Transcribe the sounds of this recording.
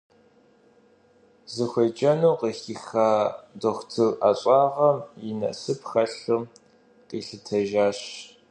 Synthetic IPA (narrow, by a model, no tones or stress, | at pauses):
zɨxʷɐd͡ʒʼɐnuːqixixaːdoxʷtʰɨrʔaɕʷʼɑːʁɐmjɪnɐ̰ʔsɨpxɐɬum | qiːɬɨtʰɐʒaːɕ